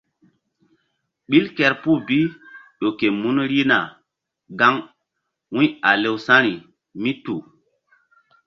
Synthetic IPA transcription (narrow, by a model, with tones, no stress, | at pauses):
ɓi˦lkɛ˨ɾpu˦bi˦ɗo˨ke˨mu˦nɾi˦na˨ | ɡa˦ŋ | wũ˦a˨le˦wsã˦ɾi˨ | mi˦tu˨